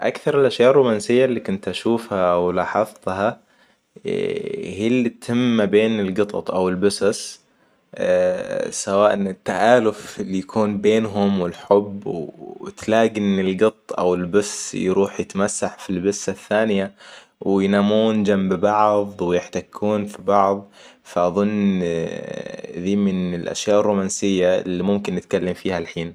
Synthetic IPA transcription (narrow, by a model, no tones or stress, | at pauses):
ʔakθɑɾˤɪlʔaʃjɑːʔrˤːʊmaːnsɪjːalːikʊnt̪ʔaʃuːfhawlɑːħɑðˤt̪hɑ | hiːlːit̪hɪmːabeːnɪlɡɨt̪ˤɑ̰t̪ˤʔawɪlbʊsɪs | sawaːʔnɪt̪ːaʔaːlʊfɪlijakʰuːnbeːnɦʊmwɪlħʊbːwt̪laːɡɪnɪlɡɨt̪ˤːʔa̰wɪlbʊssjɾuːħjɪt̪masːaħfilbɪsːaθːaːnɪja | wɪjnaːmːuːnd͡ʒambbɑʕðˤwɪjɪħt̪akʰːuːnfibɑʕðˤfaʔɑðˤʊnː | ðiːmɪnɪlʔa̰ʃjaːʔɪrːuːmaːnsɪjːalːiːmʊmkɪnːɪt̪̚kalːamfiːhalħiːn